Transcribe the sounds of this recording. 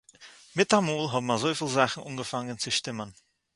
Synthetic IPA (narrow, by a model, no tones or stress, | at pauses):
mɪt̚d̥amuːlɦɔːbmanzoːfiːlzaχn̩ʔṵnɡəfaŋənt͡suʃtɪmən